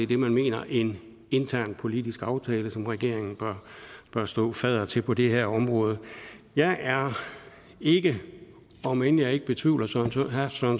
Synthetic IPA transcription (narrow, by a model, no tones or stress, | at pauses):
e̝ɐd̥e̝mænme̝̰ːnɐʔe̝n | e̝nt͡sʰæɐ̰npʰo̝lid̥isɡ̥ɑ̈ʊt͡sʰɛːləsɒ̽mʁɛɡ̥e̝ɐ̰eŋn̩b̥ɐb̥ɶɐsd̥ɔ̰̽ːfɛðˠɐt͡sʰe̝lpʰɒ̽d̥e̝heɐ̰ɒ̽mʁɔ̽ːð̞ˠjɑ̈ɪʔæɐ | e̝ɡ̥ə | ɒ̽menjɑ̈ɪe̝ɡ̥əb̥e̝t͡sʰʋḭːʊlɐsɒn